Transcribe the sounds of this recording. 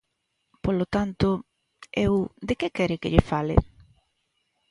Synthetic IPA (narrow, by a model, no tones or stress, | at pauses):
polot̪ant̪o | ewd̪ekekɛɾɪkɪʎɪfalɪ̰